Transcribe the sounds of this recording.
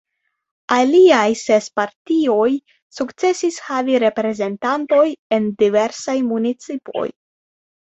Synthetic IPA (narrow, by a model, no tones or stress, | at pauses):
aliajse̞spaɾtio̞j | sukt͡se̞sishaviɾe̞pɾe̞ze̞ntanto̞je̞ndive̞ɾsajmunit͡sipo̞̰j